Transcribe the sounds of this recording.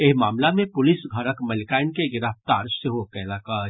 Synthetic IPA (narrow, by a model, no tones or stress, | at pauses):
eɦmaːmlamẽpʊlɪsɡʱɐɾəkmɐlkaːɪnkeɡɪɾaːft̪aːɾseɦokɛːlaːka